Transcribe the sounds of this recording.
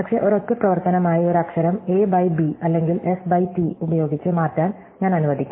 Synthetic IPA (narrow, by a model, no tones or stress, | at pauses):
pɐkʂe̞ːʔoɾo̞kːeprɐʋɐrt̪ɐnɐmaːjio̞ɾɐkʂɐɾɐmeːbɐjbiɐlːe̞ŋɡile̞sbɐjtiubɐjo̞ːɡit͡ɕːɨmaːrtːaːn | ɲaːnɐnuʋɐd̪ʱikʲː